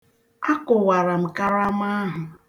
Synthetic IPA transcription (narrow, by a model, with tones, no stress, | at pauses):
a˦kʊ˨wa˨ɾa˨m̩˨ka˦ɾa˦m˦a˦ɦʊ˨